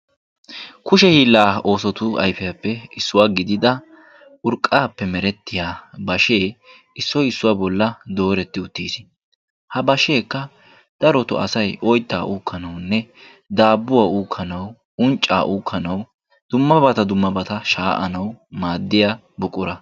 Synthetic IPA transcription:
kʊʃɛhiːlːaːo̞ːsɔt̪ʊɐ̰jfɛjɐpːɛɪsːʊwaːɡɪd̪ɪd̪ɐ | ʊɾkʼːaːpːɛmɛɾɛt̪ːɪjaːbɐʃe̞ː | ɪsːɔjɪsːʊwaːbɔlːɐd̪o̞ːɾɛt̪ːɪʊt̪ːiːs | hɐbɐʃe̞ːkːɐ | d̪̥ɐɾɔt̪ʊ̰ɐ̰sɐjʔɔjt̪ːa̰ːʔuːkʰːɐnɐwnːɛ | d̪aːbːʊwaːuːkʰːɐnɐw | ʊnt͡ʃʼːa̰ːʔuːkʰːɐnɐw | d̪̥ʊmːɐbɐt̪ɐd̪ʊmːɐbɐt̪ɐʃaːʔɐ̰nɐwmaːd̪ːɪjaː | bʊkʼːʊɾɐ

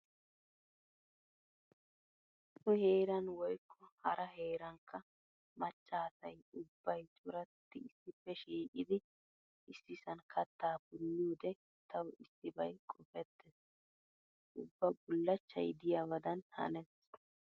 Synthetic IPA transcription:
t̪ʊhe̞ːɾɐnwɔjkːɔhɐɾɐɦeːɾɐŋkʰːɐ | mɐt͡ʃʼːaːsɐjʊbːɐjt͡ʃʼʊɾɐt̪ːɪɪsːɪfːɛʃiːkʼɪd̪ɪ | ʔɪsːɪsɐnkʰɐt̪ːaːpʊlːuːd̪ɛ | t̪ʰɐwɪsːɪbɐjkʼɔfɛt̪ːɛs | ʔʊbːɐbʊlːɐt͡ʃːɐ̰jd̪ɪjawɐd̪ɐnhɐ̰nɛs

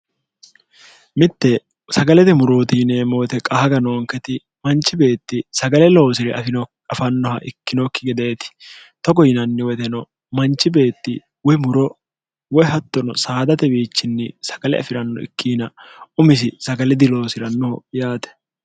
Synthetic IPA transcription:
mɪt̪ːɛ | sɐɡɐlɛd̪ɪmʊɾo̞ːt̪iːneːmɔwɔt̪ɛkʼɐhɐɡɐnoːŋkːɛt̪ɪ | mɐnt͡ʃːɪbe̞ːt̪ːɪsɐɡɐlɛlo̞ːsɪɾɛɐfɪnɔ | ɐfɐnːɔɦɐ̰ʔɪkːɪnokːɪɡɛd̪e̞ːt̪ɪ̥ | t̪ɔɡɔjɪnɐnːɪwɔt̪ɛnɔ | mɐnt͡ʃːɪbe̞ːt̪ːɪ | wɔjmʊɾɔ | wɔjhɐt̪ːɔnɔ̰saːd̪ɐt̪ɛbiːt͡ʃːɪnːɛsɐ̥ɡ̥ɐlɛ̰ɐ̰fɪɾɐnːɔ̰ɪ̰kʰːiːnɐʊmɪs̬ɪsɐɡɐlɛd̪ɪlo̞ːsɪɾɐnːɔhɔjaːt̪ɛ̥

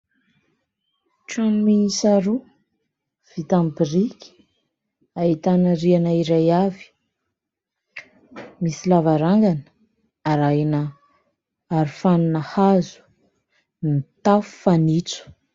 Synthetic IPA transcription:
ʈ͡ʂanminisaɾu | v̥it̪ambirikʲi̥ | ait̪anəɾianaiɾajavi̥ | misilavaɾaŋɡanə̥ | aɾajnə | aɾifaninəhazu̥ | nit̪afu̥fanit͡su̥

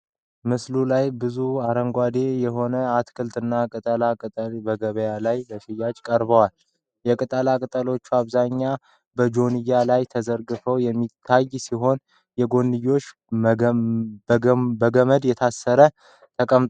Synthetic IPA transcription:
mɨslulajbɨzuaɾəŋɡʷad̪ejɛɦo̞nəat̪kʰɨlt̪ʼɨnːakʼɨt̪ʼəlakʼɨt̪ʼəlbəɡəβəjalajbəʃɪjad͡ʒkʼəɾbəwal | jɛkʼɨt̪ʼəlakʼɨt̪ʼəlo̞t͡ʃːuaβzaɲːa | bəd͡ʒo̞nɨjːalajt̪ʰəzəɾɡɨfəwjɛmːit̪ʰːajsiɦo̞n | jɛɡo̞nːɨjːo̞t͡ʃː | bəɡəməd̪jɛt̪ʰasːəɾə | t̪ʰəkʼəmt̪

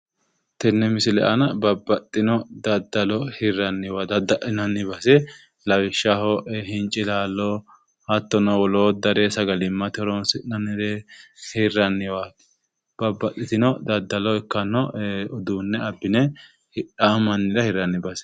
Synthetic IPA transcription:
t̪ɛnːɛmɪsɪlɛ̰ʔɐnɐbɐbːɐt̪ʼːɪnɔd̪ɐd̪ːɐlɔhɪrːɐnːɪwad̪ɐd̪ɐʔɪnɐnːɪbɐsɛ | lɐwɪʃːɐhɔʔɛɦɪnt͡ʃʼɪlaːlːɔ | hɐt̪ːɔnɔwɔloːd̪ɐɾɛsɐɡɐlɪmːɐt̪ɪɔɾɔnsɪnɐnːɪɾɛhɪrːɐnːɪwat̪ | b̥ɐbːɐt̪ʼːɪt̪ɪnɔd̪ɐd̪ːɐlɔɛkːɐnːɔɔd̪uːnːɛɐbːɪnɛ | amɐnːɪɾɐhɪɾɐnːɪbɐsɛ̥

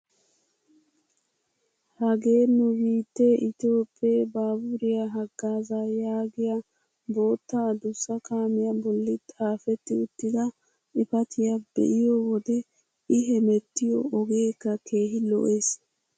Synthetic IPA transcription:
hɐɡe̞ːnʊbiːt̪ːeʔɪt̪o̞ːpʼːeːbaːbuɾɪjɐɦɐɡːaːzajaːɡɪjɐ | bo̞ːt̪ːaːd̪ʊsːɐkaːmɪjɐbɔlːɪt̪ʼaːfɛt̪ːɪʊt̪ːɪd̪ɐ | ʔɪpɐt̪ʰɪjɐbɛ̰ʔɪjɔwɔd̪ɛ | ɪɦɛmɛt̪ːɪjɔːɡe̞ːkːɐkʰe̞ːɦɪlɔ̰ʔe̞ːs

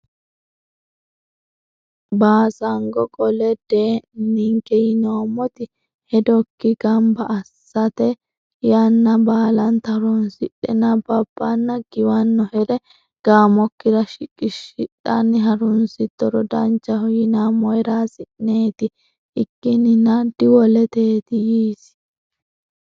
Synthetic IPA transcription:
baːsɐŋɡɔkʼɔlɛd̪̥eːnɪŋkɛjɪnoːmɔt̪ɪ | hɛd̪ɔkːɪɡɐmbɐʔːsːɐt̪ɛ | janːɐbaːlɐnt̪ɐɾʊnsɪɗɛnɐbɐb̥ːɐnːɐɡ̥ɪwɐnːɔhɛɾɛ | ɡ̥aːmɔkːɪɾɐʃɪkʼɪʃɪᶑɐnːɪɦɐɾʊnsɪt̪ːɔɾɔd̪ɐnt͡ʃːɐhɔjɪnamɔjɾaːsɪʔneːt̪ɪ | ʔɪkːɪnɪnɐd̪ɪwɔlɛt̪e̞ːt̪ɪjiːs

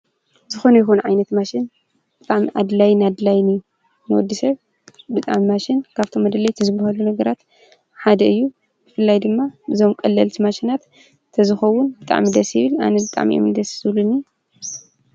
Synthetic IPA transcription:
zɨxo̞nɐjɪxunʕajnɐt̪maʃɪn | bɨt̪ʼaʕmiʔa̰d̪lajnad̪lajni | nɨwɔd̪ːisɐβ | bɨt̪ʼa̰ʕmimaʃɪnkʰaβt̪ʰo̞mːɐd̪ɐlɐjt̪ʰɨzɨbːahalunɐɡɐɾat̪ | ħad̪ɐɨjːu | bɨfɨlːajd̪ɨmːabɨzo̞mkʼɐlːɐlt̪ʰimaʃinat̪ | t̪ʰɐzɨxɐwːʊnbɨt̪ʼa̰ʕmid̪ɐsjɪβɨla̰nɐbɨt̪ʼa̰ʕmḭʔo̰md̪ɐszɨβlunːi

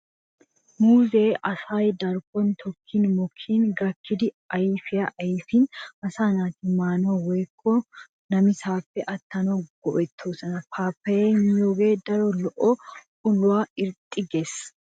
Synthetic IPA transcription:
muːzeːʔɐsaːjd̪ɐɾɡɔnt̪ʰɔkʰːiːnmɔkʰːiːnɡɐkʰːɪd̪ɪ | ɐjɪfɪjɐʔɐjɪfiːnɐsaːnaːt̪ɪmaːnoːweːkʼːo | nɐmɪsaːfːɛʔɐt̪ːɐnoɡ̥ɔʔɛt̪ʰːoːsɐnɐpʰaːpːɐenjoːɡeːd̪ɐɾɔlɔʔo | ʊlʊwaːɪɾt̪ʼːɪɡes

